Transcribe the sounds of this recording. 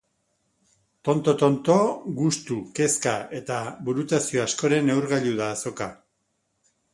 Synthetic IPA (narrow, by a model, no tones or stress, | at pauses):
t̪o̞nt̪o̞t̪o̞nt̪o̞ɣust̪uke̞skae̞t̪aβuɾut̪asio̞asko̞ɾe̞ne̞wɾɣaʎuðaːso̞ka